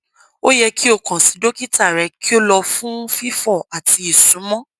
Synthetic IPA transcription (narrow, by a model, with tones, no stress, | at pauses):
o˦jɛ˧ki˦o˦˨kã˨si˨˦do˦ki˦ta˦˨ɾɛ˧ki˦o˦lɔ˧fũ˦fi˦fɔ˦˨a˨ti˧i˨sũ˨˦mɔ̃˦